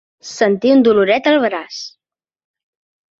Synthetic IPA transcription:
sənt̪iund̪uluɾɛt̪əlˠβɾas

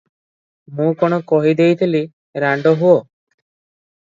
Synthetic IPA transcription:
mũkɔɽ̃ɔkɔɦid̪ejt̪ʰili | ɾaɳɖɔɦuo

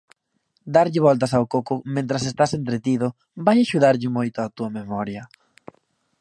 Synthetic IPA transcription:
d̪aɾʎɪβ̞ɔlt̪ɐsawkokʊmẽnt̪ɾɐsest̪asent̪ɾet̪iðʊ | bajaʃuðaɾʎɪmojt̪ʊat̪uɐmemɔɾjɐ

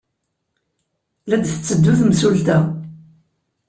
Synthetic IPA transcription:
læd̪θə̥t͡sːəd̪ːuθmsult̪æ

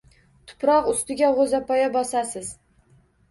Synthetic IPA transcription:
t̪ʰʊ̥pɾɒqʊst̪ɪɡʲaʁozapʰɒjabɒsasɪz

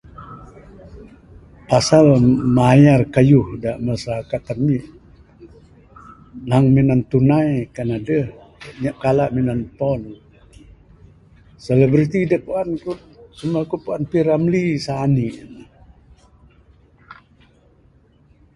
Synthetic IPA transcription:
pasalmajarkajuhdaʔməsakat̪anmiʔ | naŋminant̪unajkanadəh | ɲaʔkalaʔminanpɔn | sələbɾit̪idəpuanku | səmuakupuanpiɾamlisaːniʔn

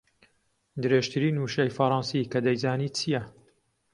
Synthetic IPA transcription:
d̪ɨɾeːʒt̪ʰɨɾiːnuːʃɐjfɐɾˤɑnsikɐd̪ɐjzaːniːt͡sʰijɐ

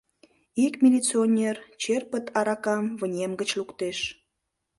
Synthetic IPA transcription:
ikmʲilʲit͡sionʲert͡ɕerpət̪ʰɑɾɑkɑmβənʲemɡət͡ɕlukt̪eʃ

